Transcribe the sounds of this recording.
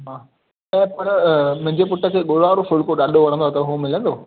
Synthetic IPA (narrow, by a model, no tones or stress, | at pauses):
ɦaː | ɛ̃pɐɾmʊ̃ɦɪ̃ɲd͡ʑepʊʈəkʰeːɠoːɽaːɾofʊɭkoɗaːɗoʋɐɽə̃nd̪oɐt̪əɦomɪlə̃nd̪oː